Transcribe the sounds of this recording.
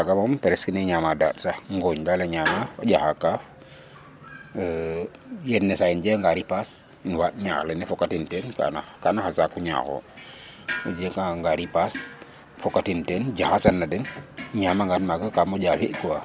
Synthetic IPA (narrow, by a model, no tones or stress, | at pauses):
aɡamampɛɾɛskineɲamada̰tsahŋɡoɲdaleɲaːmafaɟaxakaːf | jɛnːɛsaind͡ʒɛŋɡaɾipas | inwaːt̚ɲa̰ːxlɛnɛfɔkatintɛnka̰nakanaxasakːuɲa̰ːxo̰ | ṵd͡ʒɛkaŋɡaɾipas | fɔkatintɛnd͡ʒaxasanːadɛnɲamaŋɡatmaɡakamɔd͡ʒafiʔkuwa